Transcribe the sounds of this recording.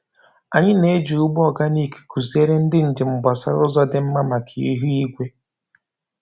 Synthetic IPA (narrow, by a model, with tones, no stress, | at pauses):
a˨ɲɪ˦ne˨˦d͡ʒu˨u˦ɡ͡bɔ˨ɡa˦ni˦˨ki̥˨ku˨zi˦e˦ɾe˦n̩˦dɪ˦n̩˨d͡ʒe˨m̩˨ba˨sa̰˦ɾʊ˦zɔ˦dɪ˨m̩˦ma˦ma˨kʰi˨i˦ɦi˦i˦ɡʷe˦